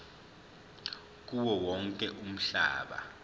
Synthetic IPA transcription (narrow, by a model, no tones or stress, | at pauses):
k̬uwɔwɔŋkʼɛʔum̩ɬa̰ːɓa̰